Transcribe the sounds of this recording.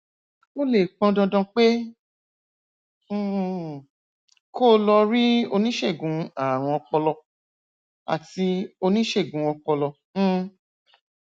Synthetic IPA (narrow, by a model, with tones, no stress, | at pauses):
o˦le˦˨k͡pɔ̃˧dɔ̃˧dɔ̃˧k͡pe˦˨ | ko˦˨lɔ˧ɾi˦o˧nĩ˦ʃe˦˨ɡũ˨˧a˦˨w̃ɔ̃˧ɔ˧k͡pɔ˧lɔ˧ | a̰˨ti˧o˧nĩ˦ʃe˦˨ɡũ˨˧˦ɔ˧k͡pɔ˧lɔ̃˧˦